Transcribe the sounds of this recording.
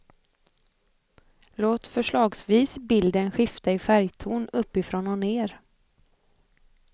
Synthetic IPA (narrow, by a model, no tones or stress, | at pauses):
loːt̪fœʂɭɑːɡsviːsbɪld̪ənɧɪft̪aɪfæɾjt̪ʰuːnɵpːɪfɾɔnɔneːɾ